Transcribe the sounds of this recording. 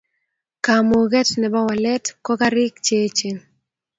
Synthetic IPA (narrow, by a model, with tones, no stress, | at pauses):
ka˨mo˨ɡɛ˦tnɛ˨ba˦wa˨lɛ˦tkɔ˦ka˦ɾɪ˦kt͡ʃe˦t͡ʃe˨